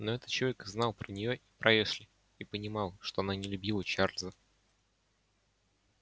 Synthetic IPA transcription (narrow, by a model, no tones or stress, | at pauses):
noɛt̪ə̥t͡ɕɪɐvʲekznɑlˠpɾənʲɪjoʔipɾʔɐjeʂlʲɪ | ipənʲɪmɑlˠʂt̪oɐnanʲɪlʲʉbʲilˠət͡ɕarlʲzə